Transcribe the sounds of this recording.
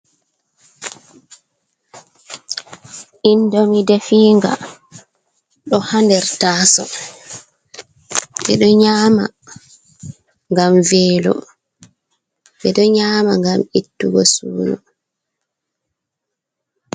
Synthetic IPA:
ʔindomidefiːŋɡa̰ | ɗɔhandɛɾtaːsɔ | ɓɛɗɔɲaːma̰ | ŋɡamvɛːlɔ̰ | ɓɛɗɔɲaːmaŋɡamitːuɡɔsṵːnu

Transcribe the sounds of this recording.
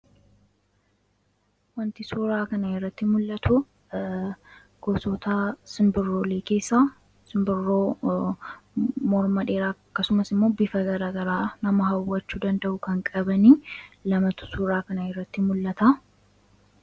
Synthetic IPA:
wɐnt̪ɪsuːɾaːkɐnɐɪrːɐt̪ːɪmʊlːɐt̪ʰʊ | ɡ̥ɔsɔt̪asɪmbɪrːoːleːke̞ːsːa | sɪmbɪrːoː | mɔɾmɐᶑe̞ːɾaːkːɐsʊmɐsɪmːo̞ːbɪfɐɡɐɾaːɡɐɾaːnɐmɐɦɐwːɐt͡ʃːuːd̪ɐnd̪ɐʔʊkɐŋkʼɐbɐniːlɐmɐt̪ʊ̥suːɾaːkɐnɐɪrːɐt̪ːɪmʊlːɐt̪a

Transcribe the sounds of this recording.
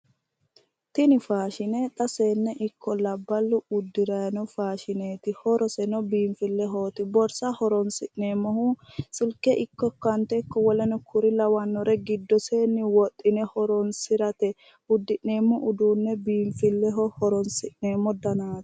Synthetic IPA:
t̪ɪnɪfaːʃɪnɛt̪ʼɐseːnːɛʔɪkːɔlɐbːɐlːʊʊd̪ːɪɾɐjnɔfaːʃɪneːt̪ɪhɔɾɔsɛnɔbiːmfɪlːɛɦoːt̪ɪbɔɾsɐhɔɾɔnsɪʔneːmːɔhusɪlkːɛʔɪkːɔkːɐnt̪ɛkːɔwɔlɛnɔkʰʊɾɪlɐwɐnːɔɾɛɡɪd̪ːɔseːnːɪwɔt̪ʼːɪnɛhɔɾɔnsɪɾɐt̪ɛ | ʊd̪ːɪʔneːmːɔʔʊd̪uːnːɛbiːɱfɪlːɛɦɔhɔɾɔnsɪʔneːmːɔd̪ɐnaːt̪

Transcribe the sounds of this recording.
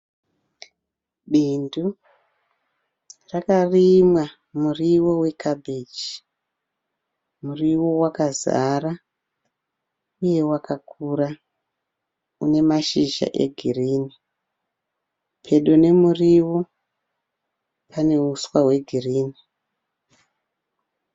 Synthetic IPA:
ɓindu | rakarimwa | muriwo̞we̞kabʱed͡ʒi | muriwowakaza̰ra | uje̞wakʰakʰura | une̞maʃiʒa̰ʔe̞̰ɡʱiriːni | pʰe̞ɗone̞muriwo̞ | pʰane̞uswaɦwe̞ɡʱiriːni

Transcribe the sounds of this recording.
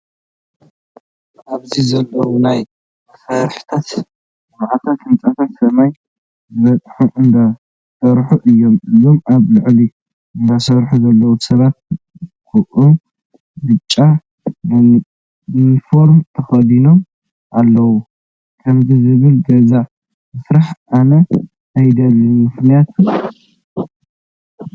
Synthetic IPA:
ʔaβzizɐlːɐwunaj | saɾħt̪ʰat̪ | maʕat̪ʰat̪hɨnt͡sʼat̪ʰɐnsɐmaj | zɨβɐt͡s̪ʼħuʔɨnd̪a | sɐɾħuʔɨjːo̞mɨzo̞maβlɨʕli | ɨnd̪asɐɾħuzɐlːɐwusɐβat̪̚ | kʰuʔu | bɨt͡ʃʼːa | nfo̞ɾmt̪ʰɐxɐd̪ino̞m | ʔalːɐwu | kʰɐmzizɨβɨld̪ɐza | mɨsɾaħanɐ | ʔajd̪ɐlːimɨxnijat̪ʰ

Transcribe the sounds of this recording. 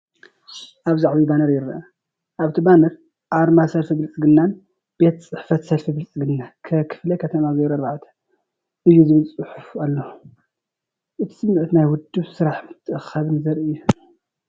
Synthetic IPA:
ʔaβzaʕwibanɐɾjɪɾʔɐ | ʔaβt̪ʰibanɐɾ | ʔaɾmasɐlfibɨlt͡sʼɨɡɨnːan | b̥e̞t̪t͡sʼɨħfɐt̪sɐlfibɨlt͡sʼɨɡɨnːakʰɐkʰɨ̥flɐkʰɐt̪ʰɐmazɐjɾɐɾʕat̪ʰɐ̥ | ʔɨjːuzɨβɨlt͡sʼɨħʊfalːo | ʔɨt̪ʰi̥sɨmːɨʕɨt̪najwʊd̪ːɨβsɨɾaħmɨt̪ʰːɨʔɨxɐβɨnzɐɾʔɨjːu

